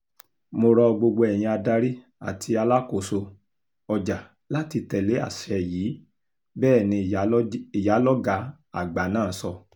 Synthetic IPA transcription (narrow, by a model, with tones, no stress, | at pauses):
mo˧ɾɔ˧ɡ͡bo˧ɡ͡bo˧ɛ˨j̃ĩ˧a˧da˧ɾi˦ | a̰˨tʰi˧a˧la˦ko˦˨so˧ | ɔ˨d͡ʒa˨ | la˦ti˧tɛ˨le˨˦a̰˦˨ʃɛ˧˨jiː˨˦ | bɛː˦˨nĩ˧˨i˨ja˨˦lɔ˦ɡa˦˧˦ | a̰˨ɡ͡ba˨˦nãː˦n̩˨sɔ˧